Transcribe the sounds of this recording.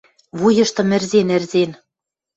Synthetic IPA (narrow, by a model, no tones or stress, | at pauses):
βujɤ̆ʃt̪ɤ̆mɘ̆rzenɘ̆rzen